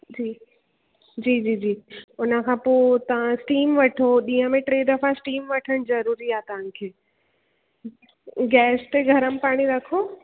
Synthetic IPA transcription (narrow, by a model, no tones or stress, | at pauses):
d͡ʑiː | d͡ʑiːd͡ʑiːd͡ʑiːʊnə̆kʰãːpoːt̪ɐʋ̤ãsʈiːmʋɐʈʰoɗĩːɦə̃mẽʈɾeːd̪ɐfasʈiːmʋɐʈʰəɽ̃zɐɾuːɾiaːt̪ɐʋ̤ãkʰeː | ɡɛːst̪eɡʱɐɾəmɪpaːɽ̃iɾɐkʰoː